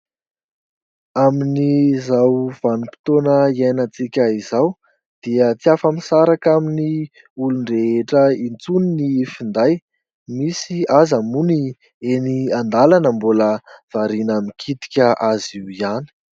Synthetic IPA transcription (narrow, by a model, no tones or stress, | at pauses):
aminizawv̥anupi̥t̪onəiajnat͡sikʲəizaw | d̪̥iət͡siafamisaɾakamini | uluɳɖ͡ʐeeʈ͡ʂəint͡suninifind̪aj | misiazamuni | eniand̪alanəmbuləv̥aɾinamikʰit̪i̥kʲəʔaziwiani̥